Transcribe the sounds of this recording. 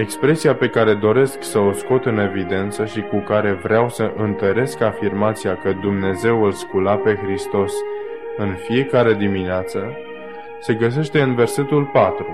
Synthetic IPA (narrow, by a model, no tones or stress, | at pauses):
e̞kspɾe̞siape̞kaɾe̞d̪o̞ɾe̞sksəo̞sko̞t̪ɨne̞vid̪e̞nt̪səʃikukaɾe̞vɾeawsəʔɨnt̪əɾe̞skafirmat̪siakəd̪umne̞ze̞wɨlskulape̞xɾist̪o̞s | ɨnfije̞kaɾe̞d̪imineat̪sə | se̞ɡəs̬e̞ʃt̪e̞ɨnve̞rse̞t̪ulpat̪ɾu